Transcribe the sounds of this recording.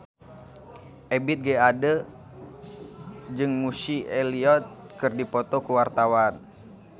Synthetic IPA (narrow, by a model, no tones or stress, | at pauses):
ʔebit̪̚ɡɛadə | d͡ʒɨŋmusieliɔt̪̚kɨrdipɔt̪okuwart̪awan